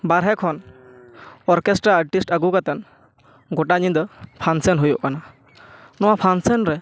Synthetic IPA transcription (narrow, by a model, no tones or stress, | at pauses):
baɾɦɛkʰɔn | ɔɾkɛsʈɾaːɾʈisʈaɡukat̪ɛn | ɡɔʈaɲĩd̪ɔpʰansɛnɦujɔʔkana | nɔwapʰansɛnɾɛ